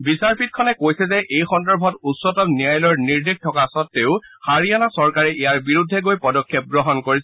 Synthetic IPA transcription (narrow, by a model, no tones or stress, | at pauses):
bisaɹpʰit̚kʰɔnɛkojsɛzɛʔejxɔndɔɹbʱɔtutsɔtɔpnijajlɔɹniɹdik̚tʰɔkasɔtːeʊhaɹianasɔɹkaɹɛʔijaɹbiɹudʱːɛɡojpɔdɔkʰːɛp̚ɡɹɔɦɔnkoɹisɛ